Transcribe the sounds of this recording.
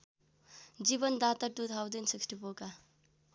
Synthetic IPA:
d͡ʒibʌnd̪at̪aʈ̪ut̪ɦawd̪ensiksʈipoka

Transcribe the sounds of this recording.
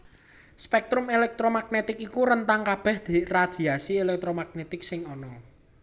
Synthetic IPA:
spɛk̚t̪ɾʊmelɛk̚t̪ɾomaɡ̚net̪ɪkikuɾənt̪aŋkab̥ɛ̤hd̪̥irad̪̥i̤asielɛk̚t̪ɾomaɡ̥̚net̪ɪk̚sɪŋɔnɔ

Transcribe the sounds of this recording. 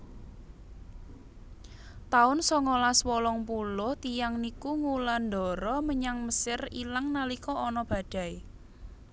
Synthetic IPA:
t̪aʊnsɔŋɔlaswɔlɔŋpulʊht̪ijaŋnikuŋuland̪ɔ̤ɾɔməɲaŋməsɪrilaŋnalikɔʔɔnɔb̥ä̤ɖ̪̥a̤j

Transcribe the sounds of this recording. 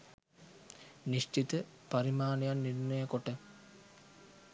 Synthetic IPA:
niʃʈit̪əpaɾimaːnejanːirnəjəkoʈə

